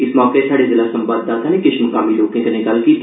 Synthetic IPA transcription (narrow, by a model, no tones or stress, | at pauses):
ɪsmɔːkesaːɽezɪlasə̃mbaːb̚d̪aːt̪anekɪʃmʊkaːmiloːkẽk̪enekaːlki